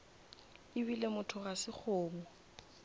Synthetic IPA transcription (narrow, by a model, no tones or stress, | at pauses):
ɪbilemʊtʰʊɣasɪk͡xʰʊːmɔ